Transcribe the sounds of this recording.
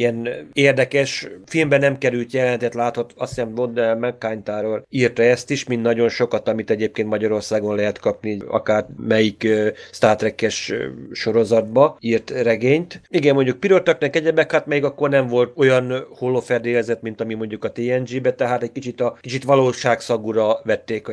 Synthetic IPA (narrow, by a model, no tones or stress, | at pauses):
iɛneːrd̪ɛkɛʃfilmbɛnɛmkɛɾylt̪jɛlɛnɛt̪ɛt̪laːt̪hot̪ɒst̪sɛmt̪mond̪ɛɛmɛkːaːɲt̪aːɾoliːrt̪ɛɛst̪iʃmint̪nɒɟo̞nʃo̞kɒt̪ɒmit̪ɛɟeːp̚keːnt̪mɒɟɒɾo̞rsaːɡo̞nlɛɦɛt̪kɒpniɒ̰kaːrmɛjikst̪aːrt̪ɾɛkːɛʃʃo̞ɾo̞zɒd̪̚bɒiːrt̪rɛɡeːɲt̪iɡɛmmo̞ɲɟuk̚piɾort̪ɒknɛkɛɟɛbɛkhat̪mɛjiɡɒkːo̞rnɛɱvo̞lt̪o̞jɒnholːoːfɛrd̪eːlɛzɛt̪mint̪ɒmimo̞ɲɟukɒt̪eːɛnd͡ʒiːbɛt̪ɛɦaːt̪ɛc̚kit͡ʃit̪ɒkit͡ʃit̪ʋɒloːʃaːksɒɡuɾɒʋɛt̪ːeːk